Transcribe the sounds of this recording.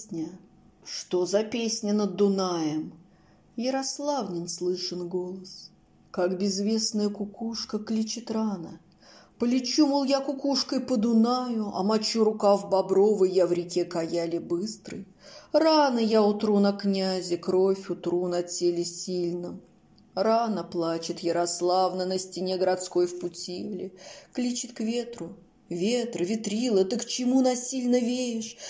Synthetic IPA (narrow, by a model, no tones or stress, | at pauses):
nʲə | ʂt̪o̞zɐpʲesʲnʲənəd̪ːʊnajəm | jəɾɐslˠavnʲɪnslˠɨʂɨnɡo̞lˠəs | kakbʲɪzvʲe̞snəjəkʊkuʂkəklʲit͡ɕɪt̪ranə | pəlʲɪt͡ɕumʊlˠjakʊkuʂkəjpəd̪ʊnajʊɐ̰mɐt͡ɕuɾʊkavbɐbɾovəjjavɾʲɪkʲekɐjælʲɪbɨst̪ɾɨ̰j | ranəjaʊt̪ɾunɐknʲæzʲɪkɾo̞fʲʊt̪ɾunɐt͡sʲelʲɪsʲilʲnəm | ranəplˠat͡ɕɪt̪jəɾɐslˠavnənəsʲtʲɪnʲeɡəɾɐt̪sko̞jfpʊtʲivlʲɪklʲit͡ɕɪt̪kvʲe̞t̪ɾʊ | vʲet̪rvʲɪt̪ɾʲilˠət̪ɨkt͡ɕɪmunasʲilʲnəvʲeɪʂ